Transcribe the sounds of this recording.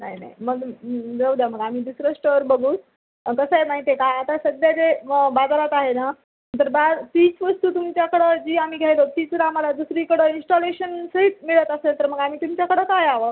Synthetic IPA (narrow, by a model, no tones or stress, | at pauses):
naɦina̰iməɡd͡zəwd̪jaməɡam̤iːd̪usɾəʂʈəʋəɾbəɡuːt | kəsəjenaɦit̪ekaːt̪asəɡ̪jad͡zebad͡zaɾat̪aɦena | ət̪əɾbat̪iːt͡sʋəst̪uːt̪umt͡ɕjakəɽəd͡ʑiːam̤iːɡʱajlot̪iːt͡sɾam̤alad̪usɾikəɽəinsʈoleɕənsəɦit̪miɭət̪əselt̪əɾməɡam̤iːt̪umt͡ɕjakəɽəkajaʋə